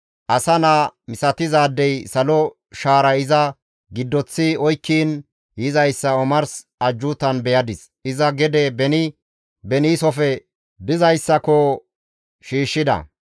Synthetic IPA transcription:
ʔɐsɐnamɪsɐt̪ɪzaːd̪ːɛjsɐlɔ | ʃaːɾɐɪzɐ | ɡɪd̪ːɔt͡sːɪɔjkːiːn | jɪzɐjsːɐɔmɐɾs | ɐd͡ʒːuːt̪ɐnbɛjɐd̪ɪs | ʔɪzɐɡɛd̪ɛbɛnɪ | bɛniːsɔfɛ | bɪzɐjsːɐkɔ | ʃiːʃːɪd̪ɐ̰

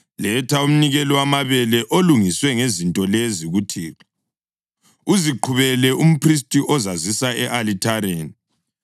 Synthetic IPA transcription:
lɛtʰaum̩niɣɛlɔwamaβɛlɛʔoluŋiswɛŋezintʼɔleziɣutʰiːa | uziǃʰuβɛlɛʔum̩pris̬tʼiʔɔzazisaɛʔalitʰaɾeːni

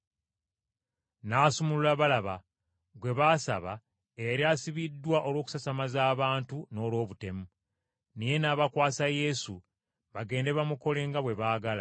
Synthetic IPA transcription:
naːsumululaβalaβa | ɡwe̞βaːsa̰βa̰ | eɾiaːsiβidːwaʔo̞lwo̞ːku̥sasamazaːβaːntuno̞ːlwo̞ːβute̞mu | nije̞naːβakwaːsaje̞sṵ | βaɡe̞ːnde̞βamuko̞le̞ːŋɡaβwe̞βaːɡala̰

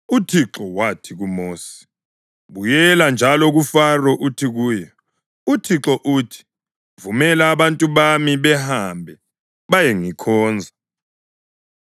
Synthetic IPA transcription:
utʰiǁɔwatʰiɣumoːsi̥ | βujɛland͡ʒʱalɔɣufarɔʔutʰiɣuːjɛ | utʰiǁɔʔutʰi̥ | vumɛlaːβantʼuβamiβɛhambʱɛ | βajeŋikʰɔːnd͡zʱa

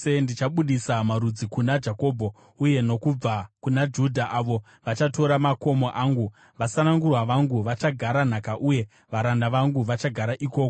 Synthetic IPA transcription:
endit͡ʃaɓuɗisamaɾud͡zikunad͡ʒako̞ːbʱo̞ | uje̞no̞kub͡vakunad͡ʒudʱaʔaʋo̞ | ʋat͡ʃato̞ɾamako̞mo̞ʔaŋɡu | ʋasanaŋɡurwaʋaŋɡuʋat͡ʃaɡʱaɾan̤akaʔuje̞ | ʋaɾandaʋaŋɡuʋat͡ʃaɡʱaɾaʔiko̞ːko

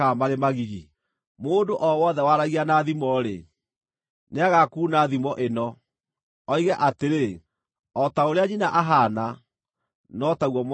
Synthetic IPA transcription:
amaɾemaɣiɣi | moːndoʔɔwɔðɛwaɾaɣianaðimɔɾḛ | neaɣakuːnaðimɔʔenɔ | ɔiɣɛʔateɾe | ɔtaoɾeaɲinaʔaɦana | nɔtaɣwɔm

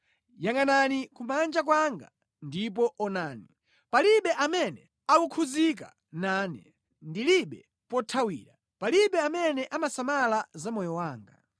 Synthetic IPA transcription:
jaŋananikumand͡ʒak̬waŋɡa̰ | ndip̬ɔʔɔnaːni | paliɓɛʔamɛnɛ | awukʰuzik̬a̰ | naːnɛ̰ | ndiliɓɛ | pɔtʰawiːɾa | paliɓɛamɛnɛʔamasamalazamɔjɔwaːŋɡa̰

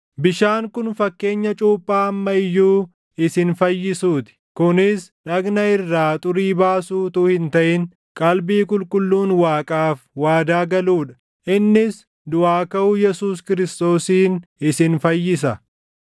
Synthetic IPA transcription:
bɪʃaːŋkʊnfɐkːe̞ːɲːɐt͡ʃʼuːpʼːaːɐmːɐɪjːuː | ɪsɪnfɐjːɪsuːt̪ɪ̥kʊnɪsᶑɐɡnɐɪrːaːt̪ʼʊɾiːbaːsuːt̪ʊːhɪnt̪ɐʔɪŋ | kʼɐlbiːkʼʊlkʼʊlːuːnwaːkʼaːfwaːd̪aːɡɐluːᶑɐ̥ | ʔɪnːɪs | d̪ʊʔaːkɐʊjɛsuːskɪɾɪst̪o̞ːsiːnɪsɪnfɐjːɪs̬ɐ

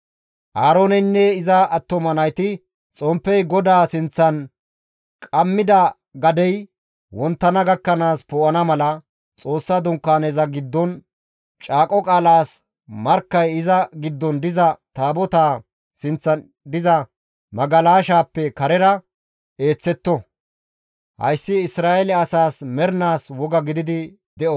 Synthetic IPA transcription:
ʔaːɾoːnɛnːɛɪzɐɐt̪ːɔmɐnɐjt̪ɪ | t͡sʼɔmpːɛjɡɔd̪aːsɪnt͡sːɐn | kʼɐmːɪd̪ɐ | ɡɐd̪ɛj | wɔnt̪ːɐnɐɡɐkːɐnaːspɔːʔɐnɐmɐlɐ | t͡sʼo̞ːsːɐd̪ʊŋkːaːnezɐɡɪd̪ːɔn | t͡ʃʼaːkʼɔkʼaːlaːs | mɐɾkːɐjɪzɐɡɪd̪ːɔnd̪ɪzɐt̪aːbɔt̪aː | sɪnt͡sːɐ | d̪ɪzɐ | mɐɡɐlaːʃaːpːɛkɐɾɛɾɐ | e̞ːt͡sːɛt̪ːɔ | hɐ̰jsːɪɪsɾaːʔɛlɛɐsaːsmɛɾnaːswɔɡɐɡɪd̪ɪd̪ɪ | d̪ɛʔɔ

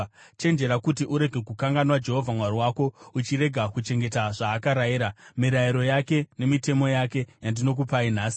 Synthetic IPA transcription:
t͡ʃe̞nd͡ʒe̞ɾakutiʔuɾe̞ɡʱe̞kukaŋɡanwad͡ʒe̞ɦo̞vʱamwaɾiwako̞ut͡ʃiɾe̞ɡʱakut͡ʃe̞ŋɡe̞taʐaːkaɾajiɾamiɾaiɾo̞jake̞ne̞mite̞mo̞jake̞jandino̞k̬upain̤aːsi̥

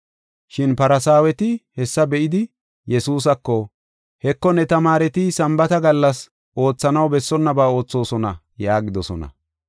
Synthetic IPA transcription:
ʃɪnpɐɾɐsaːwɛt̪ɪhɛsːɐbɛʔɪd̪ɪ | jɛsuːs̬ɐkːɔ | hɛkːɔnɛt̪ɐmaːɾɛt̪ɪsɐmbɐt̪ɐɡɐlːɐs | ʔo̞ːt͡sːɐnɐwbɛsːɔnːɐbaːo̞ːt͡sːo̞ːsɔnɐ̰ | jaːɡɪd̪ɔsɔnɐ̰

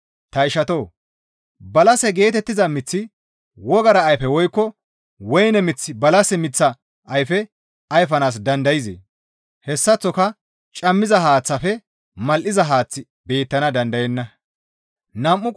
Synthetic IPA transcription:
t̪ɐɪʃɐt̪o̞ː | bɐlɐsɛɡe̞ːt̪ɛt̪ːɪzɐmɪt͡sːɪ | wɔɡɐɾɐːjfɛwɔjkːɔ | wɔjnɛmɪt͡sːɪbɐlɐsɛmɪt͡sːɐ | ʔɐjfɛ | ɐjfɐnaːs̬d̪ɐnd̪ɐjɪzḛː | hɛsːɐt͡sːɔkɐ | t͡ʃʼɐmːɪzɐhaːt͡sːɐfɛ | mɐlʔɪzɐɦaːt͡sːɪ | be̞ːt̪ːɐnɐd̪ɐnd̪ɐjɛnːɐ | nɐmːʊ

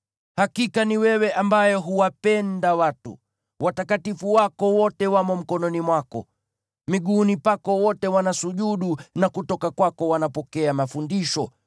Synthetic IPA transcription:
hakikaniwɛwɛʔambajɔɦuwapɛndawatṵ | watakatifuwakɔwɔtɛwamɔm̩kɔnɔnimwakɔ̰ | miɠunipakɔwɔtɛwanasuʄuɗunakutɔkakwakɔwanapɔkɛamafundiʃɔ

